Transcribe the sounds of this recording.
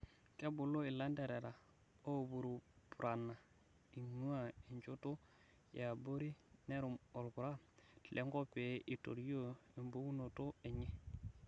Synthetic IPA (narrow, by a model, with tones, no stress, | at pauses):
ke˦bu˨lo˦i˨la˦nde˨ɾe˨ɾa˨ | o˦˨bu˨ɾu˨pu˨ɾa˨nːa˨ | i˨ɲu˦a˦i˨ɲt͡ʃu˦to˦ | ja˨bo˦ɾi˦ne˦ɾu˨mo˨lku˨ɾa˦tlʔe˦ŋɡo˦pe˨˦ʔi˨to̰˨ɾjo˦i˨mbo˦wu˦no˨to˦ɛ˨ɲɛ˦